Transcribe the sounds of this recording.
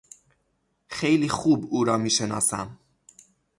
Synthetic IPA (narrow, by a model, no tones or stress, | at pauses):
xejliːxuːbuːɾɒːmiːʃenɒ̰ːsæm